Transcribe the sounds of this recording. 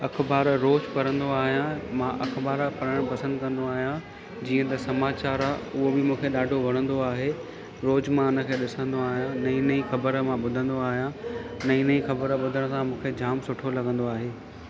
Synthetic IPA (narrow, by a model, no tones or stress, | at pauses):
ɐkʰbaːɾɾoːd͡ʑpɐɾə̃nd̪oaːɦijãmãʔɐkʰbaːɾpɐɾəɽ̃pɐsə̃nd̪kɐ̃nd̪oaːɦijã | d͡ʑiːə̃t̪ɐsɐmaːt͡ɕaːɾaʊɦobɪmũːkʰeɗaːɖʱoʋɐɽ̃ə̃nd̪oaːɦeː | ɾoːd͡ʑmãʊnə̆kʰeːɗɪsə̃nd̪oaːɦijãnɐĩnɐĩxɐbəɾmãɓʊd̪ʱə̃nd̪oaːɦijãnɐĩnɐĩxɐbəɾɓʊd̪ʱəɽ̃sãmũːkʰed͡ʑaːmsʊʈʰolɐɡə̃nd̪oaːɦeː